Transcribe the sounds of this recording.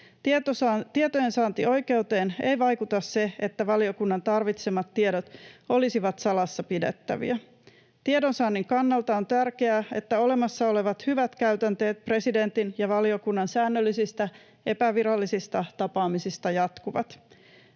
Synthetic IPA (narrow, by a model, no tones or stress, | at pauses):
t̪iet̪ojensɑːnt̪io̞jke̞ut̪e̞ːne̞jʋɑjkut̪ɑsse̞et̪ːæʋɑlio̞kunːɑnt̪ɑrʋit̪semɑt̪ːieɾot̪o̞lisiʋɑt̪sɑlɑsːɑpidḛt̪ːæ̰ʋḭæ | t̪iedo̞nsɑːnːiŋkɑnːɑlt̪ɑo̞nt̪ærke̞æe̞t̪ːæo̞le̞mɑsːɑo̞le̞ʋɑt̪hyʋæt̪kæyt̪ænt̪e̞ːt̪̚pre̞side̞nt̪injɑʋɑliokunːɑnsæːnːølːisist̪æ | e̞pæʋiɾɑlːisist̪ɑt̪ɑpɑːmisist̪ɑjɑt̪kuʋɑ̰t̪